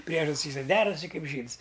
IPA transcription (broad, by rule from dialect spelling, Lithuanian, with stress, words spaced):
ˈpʲrʲiɛʒɐtʲsʲ iː sɐk ˈdʲæːrɐsʲɪ ˈkɐɪp ˈʒʲiːts